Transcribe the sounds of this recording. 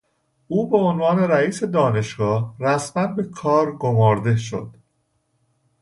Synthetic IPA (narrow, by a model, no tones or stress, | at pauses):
ʔuːbe̞onvɒːne̞ɾæiːse̞d̪ɒːne̞ʃɡɒːhɾæsmænbe̞kʰɒːɾɡomɒːɾd̪e̞ʃo̰d̪̥